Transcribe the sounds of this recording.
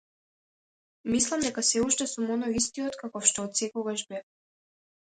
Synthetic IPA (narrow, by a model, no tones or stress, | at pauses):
mislˠamd̪ɛkasɛuʃt̪ɛsumɔnɔjist̪iɔt̪kakɔfʃt̪ɔːt̪sɛkɔɡaʃbɛf